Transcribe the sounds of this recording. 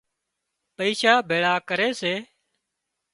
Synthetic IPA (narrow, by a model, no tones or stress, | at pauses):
pəiːʃaːbʱeːɭaːkəɾeːseː